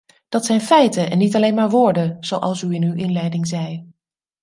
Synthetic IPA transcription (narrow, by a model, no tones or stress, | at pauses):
d̥ɑtsɛjnfɛjtəɛnːitɑlejnmaːɹʋʊːɹdəz̥owʔɑ̰lˠsyɪnywʔɪnlɛjdɪŋzɛj